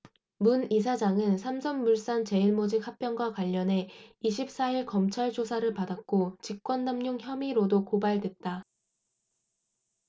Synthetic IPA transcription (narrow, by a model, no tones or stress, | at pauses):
munisʰad͡ʑaŋɯnsʰamsʰʌnmuɭs͈ant͡ɕe̞iɭmod͡ʑik̚hak̚p͈jʌnɡwakwaʎːʌne̞iɕʰip̚s͈aiɭkʌmt͡ɕʰaɭd͡ʑʰosʰaɾɯɭpadak̚k͈ot͡ɕik̚k͈wʌnːamɲoŋçjʌmiɾodokobaɭdwe̞t̚t͈a